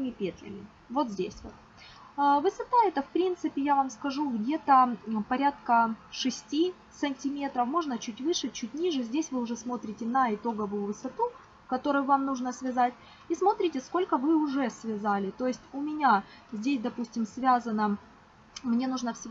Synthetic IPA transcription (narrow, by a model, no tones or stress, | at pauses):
mʲɪpʲet̪lʲɪ̰mʲɪ | vo̞t̪zʲdʲesʲvot̪̚ | vɨsɐt̪aɛt̪əfpɾʲint̪sɨpʲɪjavamskɐʐuɡdʲe̞t̪əpɐɾʲat̪̚kəʂɨsʲtʲi | sɨnʲtʲɪmʲe̞t̪ɾəfmo̞ʐnət͡ɕutʲvɨʂɨt͡ɕutʲnʲiʐɨzʲdʲesʲvɨʊʐɛsmo̞t̪ɾʲɪtʲɪnɐɪt̪o̞ɡəvʊjʊvɨsɐt̪u | kɐt̪o̞ɾʊjʊvamnuʐnəsvʲɪzatʲ | ismo̞t̪ɾʲɪtʲɪsko̞lʲkəvɨʊʐɛsvʲɪzalʲɪt̪o̞jɪsʲtʲʊmʲɪnʲazʲdʲesʲd̪ɐpusʲtʲɪmsvʲazənə | mnʲe̞nuʐnəfsʲ